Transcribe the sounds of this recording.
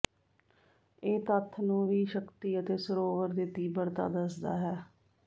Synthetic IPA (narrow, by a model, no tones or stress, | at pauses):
eːt̪ət̪ʰːnũːʋiːʃəkt̪iːət̪eːsəɾoːʋəɾd̪ɪet̪iːbəɾt̪a̰ːd̪əsd̪a̰ːɦɛː